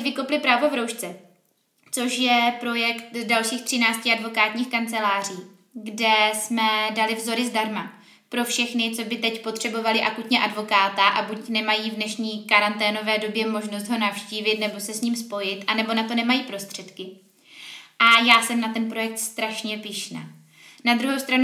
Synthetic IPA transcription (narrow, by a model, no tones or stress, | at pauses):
cvɪkowplɪpɾaːvo̞vɾowʃt͡sɛ | t͡so̞ʃjɛpɾo̞jɛkt̪dalʃiːxt̪r̝̥ɪnaːt͡scɪadvo̞kaːt̪ɲiːxkant͡sɛlaːr̝iː | ɡdɛsmɛdalɪvzo̞ɾɪzdaɾma | pɾo̞fʃɛxnɪt͡so̞bɪt̪ɛcpo̞t̪r̝̥ɛbo̞valɪʔakut̪ɲɛʔadvo̞kaːt̪aʔabucnɛmajiːvdnɛʃɲiːkaɾant̪ɛːno̞vɛːdo̞bjɛmo̞ʒnos̬t̪ɦo̞nafʃciːvɪt̪nɛbo̞sɛsɲiːmspo̞jɪt̪ʔanɛbo̞nat̪o̞nɛmajiːpɾo̞st̪r̝̥ɛt̪kɪ | ʔajaːsɛmnat̪ɛnpɾo̞jɛk̚t̪st̪ɾaʃɲɛpɪʃna̰ː | nad̪ɾuɦowst̪ɾan